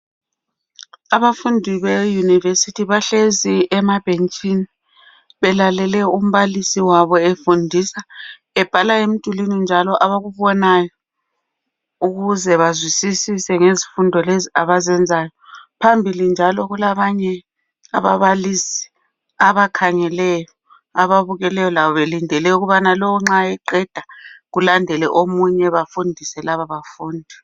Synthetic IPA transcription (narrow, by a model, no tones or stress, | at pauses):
aβafundʱiβejunivesitʰiβaɬeziʔɛmab̥ʱent͡ʃʼini | βɛlalɛlɛum̩βalisiwaβɔefundʱisa | ɛb̥ʱalaem̩d̥ʱulinind͡ʒʱalɔʔaβaɣuβɔnajɔ | uɣuzɛβazwisisisɛŋezifundʱɔleziaβazɛnd͡zʱajɔpʰambʱilind͡ʒʱalɔɣulaβaɲɛ | a̰βa̰βalisi̥ | aβakʰaŋɛlɛjɔ | aβaβuɣɛlɛjɔlaβɔβelindʱɛlɛuɣuβanalɔɔŋ͡ǁaɛǃɛd̥ʱaɣulandʱɛlɛʔomuɲɛβafundʱisɛlaβaβafuːndʱi